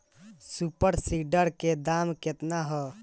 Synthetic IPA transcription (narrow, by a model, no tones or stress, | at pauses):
supəɾsiɖəɾked̪amket̪naɦɔ